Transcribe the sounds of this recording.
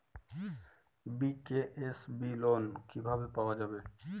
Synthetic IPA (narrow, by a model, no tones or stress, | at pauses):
bikeʔesbilonkibʱabepaoad͡ʒabe